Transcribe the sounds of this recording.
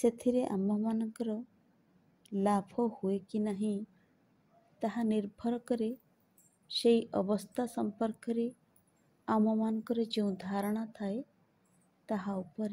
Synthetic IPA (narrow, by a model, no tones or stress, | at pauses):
set̪ʰiɾeʔa̰mɔmanɔŋkɔɾɔ | labʰʱɔhuekinaɦĩ | t̪aɦaniɾbʱɔɾɔkɔɾe | sejʔɔbɔst̪ʰasɔmpɔɾkɔɾe | amɔmanɔ̃ŋkɔɾed͡ʒeũd̪ʱaɾɔɽ̃ɔt̪ʰae | t̪aɦaupɔɾe